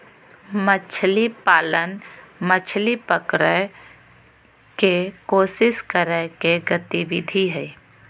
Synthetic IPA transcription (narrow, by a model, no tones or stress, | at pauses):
mət͡ʃʰlipaːlənmət͡ʃʰlipəkɾə | kekoːsɪskəɾəkeɡət̪iʋɪd̪ʱiɦɛi